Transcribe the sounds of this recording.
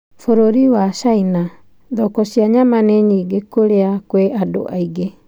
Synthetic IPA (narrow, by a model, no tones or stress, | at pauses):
foɾoɾiwasaina | d̪ɔkosiaɲamaneɲiɡekoɾeakweʔado̰ʔajɡe